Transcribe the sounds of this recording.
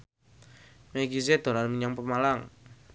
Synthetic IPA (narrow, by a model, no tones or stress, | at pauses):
meɡised̪̥o̤ɾanmiɲaŋpəmalaŋ